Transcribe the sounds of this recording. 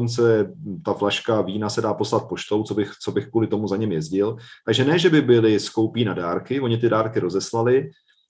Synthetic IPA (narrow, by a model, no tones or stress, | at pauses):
ont͡sɛt̪aflaʃkaviːnasɛdaːpo̞slat̪̚po̞ʃt̪o̞wt͡sobɪxt͡so̞bɪxkvuːlɪt̪o̞muzaɲɛmjɛzɟɪlt̪aɡʒɛnɛːʒɛbɪbɪlɪsko̞wpiːnadaːɾkɪvo̞ɲɪt̪ɪdaːɾkɪɾo̞zɛslalɪ